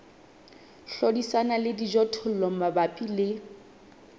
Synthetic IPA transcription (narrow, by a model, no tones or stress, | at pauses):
ɬodisanalɪdid͡ʒɔtʰʊl̩lɔm̩mabapʼilɪ